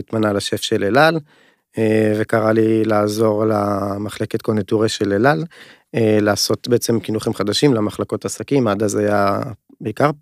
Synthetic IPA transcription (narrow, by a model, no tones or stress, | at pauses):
it̪manalaʃe̞fʃelelal | evekaʁalilaːzo̞ʁlamaχle̞ket̪̚konituʁeʃelelal | elaːso̞t̪beet͡se̞mkinuχimχad̪aʃimlamaχlako̞t̪asakimaːd̪azaja | beikaʁ